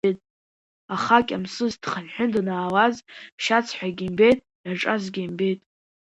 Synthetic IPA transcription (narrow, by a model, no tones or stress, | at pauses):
ejtʼ | aχakʲʼamsɨzd̥χanħʷᶣʊndnaːwazmʰʃat͡sʰħʷᶣaɡʲimbe̞jtʼ | jaʈ͡ʂʼazɡʲimbe̞jtʼ